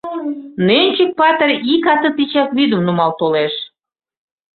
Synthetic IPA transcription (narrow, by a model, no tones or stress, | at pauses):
nenʲt͡ɕək̚pɑt̪erʲikɑt̪ə̆t̪it͡ɕɑkβid̪ə̆mnumɑlt̪oleʃ